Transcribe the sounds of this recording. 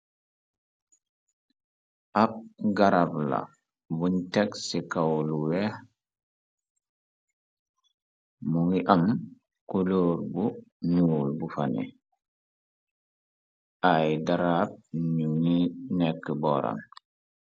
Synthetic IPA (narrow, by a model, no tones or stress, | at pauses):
ʔap̚ɡaɾabla̰ | bunteksikawluweh | muŋiʔam | kuloːɾbunulbufanḛ | ajdaɾaːb̚ɲuninekːəbɔːɾa̰m